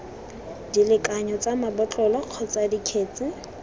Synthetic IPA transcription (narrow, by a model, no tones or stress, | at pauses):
dilɪkʼaɲɔt͡sʼamabɔt͡ɬʼɔlɔq͡χʰɔt͡sadikʰeːt͡sɪ